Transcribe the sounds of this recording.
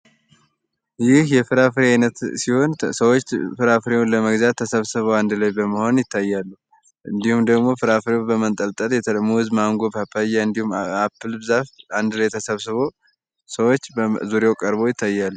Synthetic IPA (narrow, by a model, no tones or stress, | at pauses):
jɪhjɛfɨɾafɨɾeajnət̪siho̞nsəwot͡ʃːfɨɾafɾewoləməɡzat̪ʰːəsəβsɨβəwand̪ɨlajbəməho̞njɪt̪ʰːajːalːu | ʔɨnd̪ihumd̪əɡmo̞fɨɾafɾewobəmənt̪ʼəlt̪ʼət̪jɛt̪ʰəlmohɨzmaŋɡo̞bapʰːajaɨnd̪ihumapːɨlbɨzafand̪ɨlajt̪ʰəsəβsɨβo | səwot͡ʃːzuɾeowkʼəɾbo̞jɪt̪ʰːajːalːu